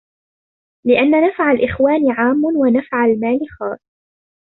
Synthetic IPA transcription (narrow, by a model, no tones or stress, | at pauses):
lɪʔanːanafʕalʔɪxwaːnɪʕaːmːʊnwanafʕalmaːlɪxɑːsˤ